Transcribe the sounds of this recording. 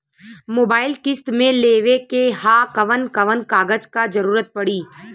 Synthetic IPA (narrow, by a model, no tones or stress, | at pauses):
moːbaːɪlkɪst̪mẽleːʋekeɦaːkɐʋənkɐʋənkaːɡəd͡ʒkad͡ʒɐɾuːɾət̪̚pɐɽiː